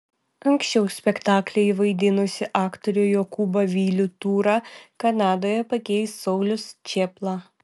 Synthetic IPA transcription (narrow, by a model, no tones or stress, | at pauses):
ɐŋʲksʲt͡ʃʲɛʊsʲpʲɛkt̪ɑːklʲɛɪʋɐɪd̪ʲɪnʊsʲɪʔɑːkt̪ɔɾʲujoːkuːbɐʋʲiːlʲʊt̪uːɾɑːkɐnɑːd̪oːjɛpɐkʲɛɪst̪sɐʊlʲʊst͡ʃʲeːplˠɑ